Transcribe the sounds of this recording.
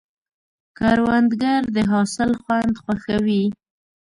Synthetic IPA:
kɑɾwand̪ɡaɾd̪əɦɑsɪlxwand̪xwaxawi

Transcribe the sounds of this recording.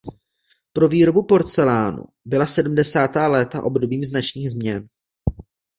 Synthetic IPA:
pɾo̞viːɾo̞bupo̞ɾt͡sɛlaːnṵ | bɪlasɛdm̩dɛsaːt̪aːlɛːt̪aʔo̞bdo̞biːmznat͡ʃɲiːɣzmɲɛn

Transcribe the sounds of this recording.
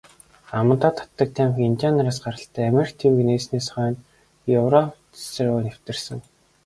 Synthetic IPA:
amə̆nt̪aːt̪ʰḁt̪ːə̆k̚t̪ʰæmxint̪ʲanɾaːsɢaɾə̆ɬt̪ʰæːmʲerkt̪ʰewɘ̆kneːsneːsχœːn | jɵwrɔp | sɘ̆rʊjnew̥t̪ɘ̆rsɘ̆ŋ

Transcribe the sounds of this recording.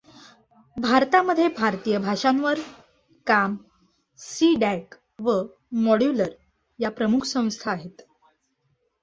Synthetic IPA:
bʱaɾt̪aməd̪ʱːjebʱaɾt̪ijəbʱaʂãnʋəɾ | kam | siɖæk | ʋə | mɔɽjuləɾ | japɾəmukʰsə̃w̃st̪ʰaːɦet̪

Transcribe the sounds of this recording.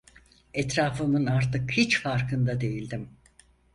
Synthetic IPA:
ɛt̪ɾaːfɯmɯnaɾt̪ɯkhit͡ʃfaɾkʰɯnd̪ad̪e̞jilʲd̪im

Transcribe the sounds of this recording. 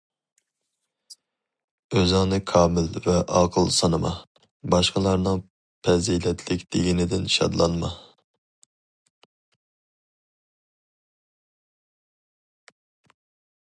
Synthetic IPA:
øzɨŋnɨkʰɑːmɪlvɛʔɑqʰəlˠsɑnɨmɑ̰ | bɑʃqəlˠɑɾnɨŋ | pʰɛzijlɛt̪ʰlɪkʲd̪eɡʲinɪd̪ɪnʃɑ̰d̪lˠɑnmɑ

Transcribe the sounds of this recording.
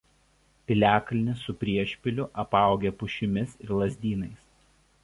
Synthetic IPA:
pʲɪlʲæːklʲɪnʲɪsʊpʲɾʲiɛʃʲpʲɪlʲʊʔɐpɑˑʊɡʲepʊʃʲɪmʲɪsɪɾlˠɐzʲd̪ʲiːnɐɪs

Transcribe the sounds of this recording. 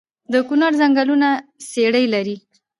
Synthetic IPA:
d̪əkunɑɾzaŋɡalunaseɽəjlaɾi

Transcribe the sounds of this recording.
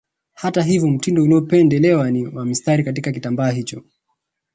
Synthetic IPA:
hataɦivjɔm̩tindɔuliɔpɛndɛlɛwaniwamistaɾikat̬ikakitambaːɦit͡ʃɔ

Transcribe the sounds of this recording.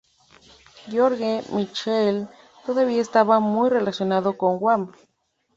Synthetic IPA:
ɡjoɾɣemit͡ʃel | t̪oðaβiaest̪aβamujre̞lasjo̞naðo̞ko̞ŋɡwam

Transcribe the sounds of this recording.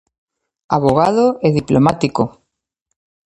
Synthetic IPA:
a̰βoɣ̞aðoeðiplomat̪iko

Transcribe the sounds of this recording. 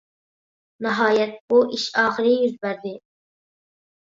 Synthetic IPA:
nəɦɑːjɛt̪̚buʔiʃɑːχɪɾijyzbæɾd̪i

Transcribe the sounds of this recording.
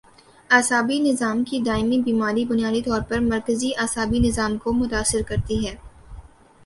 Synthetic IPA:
aːsaːbinɪzaːmkid̪aːɪmibiːmaːd̪ibʊnjaːd̪it̪ɔːɾpɐɾmɐɾkəziʔaːsaːbinɪzaːmkomʊt̪aːsɪɾkɐɾt̪iɦɛː

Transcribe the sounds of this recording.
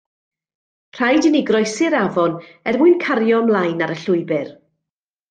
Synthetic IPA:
pʰr̥ajdɪnɪɡrɔjsɪɾavɔnɛrmʊɨnkʰaɾjɔmlˠajnaɾəɬʊɨbɪr

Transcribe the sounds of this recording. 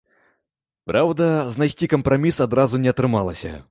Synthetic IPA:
pɾʔawd̪ɐznajsʲt͡sʲikɐmpɾamʲisad̪ɾazunʲɛɐt̪ɾɨmalˠɐsʲɐ̰

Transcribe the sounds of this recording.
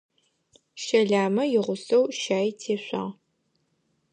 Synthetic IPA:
ʃɐɮaːmɐjɪʁʷʊsɐwʃaːjtʰeːɕʷɑ̰ː

